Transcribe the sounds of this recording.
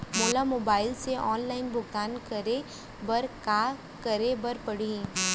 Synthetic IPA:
moːlamoːbaːɪlseʔɔːnlaːɪnbʱʊɡt̪aːnkɐɾe | bɐɾkaː | kɐɾebɐɾpɐɽi

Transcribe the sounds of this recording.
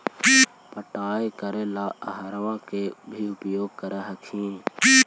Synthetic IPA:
pəʈaːekəɾeːlaːəɦɾʋãːkeːbʱiːʊpjoːɡ̚kəɾeɦəkʰĩː

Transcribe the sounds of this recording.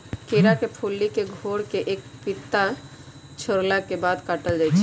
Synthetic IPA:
keːɾakepʰulːikeɡʱoɾkeʔeːk̚pɪt̪ːa | t͡ʃʰəɾlakebaːd̪kaʈəld͡ʒaːt͡ʃʰ

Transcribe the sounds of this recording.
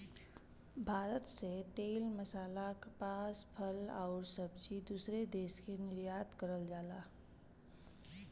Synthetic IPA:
bʱaːɾət̪set̪eːlməsaːlakpaːspʰəlaʊɾsəbd͡ʒid̪uːsɾed̪eːskenɪɾjaːt̪kəɾəld͡ʒaːlaː

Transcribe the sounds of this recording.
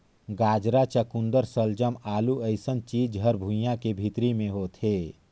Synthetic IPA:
ɡaːd͡ʒɾat͡ʃəkũnd̪əɾsəld͡ʒəmaːluəɪsənt͡ʃiːd͡ʒɦəɾbʱũjãkebʱit̪ɾimẽɦot̪ʰeː

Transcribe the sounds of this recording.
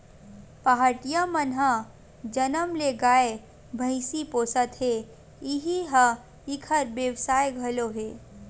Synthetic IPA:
paɦaʈijamənɦã | d͡ʒənəmleɡaːe | bʱəɪsipoːsət̪ɦe | ɪɦiɦɐ | ɪkʰəɾbjəwsaːjɡʱɐloɦeː

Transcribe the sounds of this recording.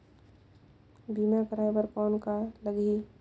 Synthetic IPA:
biːmakəɾajbəɾkɔːnkaləɡi

